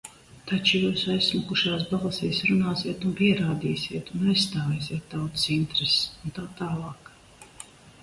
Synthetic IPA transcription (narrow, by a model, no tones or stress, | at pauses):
t̪at͡ʃujuːsajssːmakuʃaːs̬balˠəsiːsɾunaːsiɛt̪unpiɛɾaːd̪iːsʲiɛt̪unajsst̪aːvɛːsiɛt̪ːawt̪sint̪ɾɛsunt̪aːt̪aːlˠɑːk